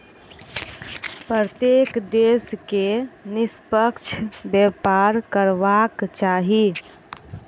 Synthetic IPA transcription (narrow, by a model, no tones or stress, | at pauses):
pɾət̪jekd̪eːskenɪspəkt͡ʃʰbjepaɾkəɾʋakt͡ʃaːɦi